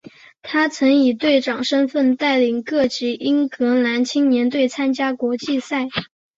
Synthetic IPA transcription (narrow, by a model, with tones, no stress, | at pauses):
t̪ʰa˥t͡sʰɤ˧˥ŋi˨˩t̪we˥˩ɪʈ͡ʂɑ˨˩ŋʂə˥nfə˥˧nt̪a˥˩ɪli˨˩ŋkɤ˥˩t͡ɕi˧˥i˥ŋkɤ˧˥la˧˥nt͡ɕʰi˥ŋnjɛ˧˥nt̪̬we˥˩ɪt͡sʰa˥nt͡ɕja˥kwɔ˧˥t͡ɕi˥˧sa˥˩ɪ